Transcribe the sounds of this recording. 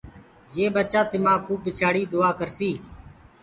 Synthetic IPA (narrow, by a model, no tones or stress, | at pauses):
jeːbət͡ʃaːt̪ɪmãːkuːpɪt͡ʃʰaːɽiːd̪ʊaːkəɾsiː